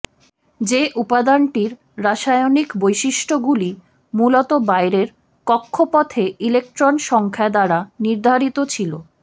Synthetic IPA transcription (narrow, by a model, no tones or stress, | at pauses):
d͡ʑeʔupad̪aɳʈiɾ | ɾaʃajonikbojʃiʃʈoɡuli | mulot̪obajɾeɾ | kɔkʰːopɔt̪ʰeilek̚ʈɾonʃɔŋkʰad̪aɾaniɾd̪ʱaɾit̪ot͡ɕʰilo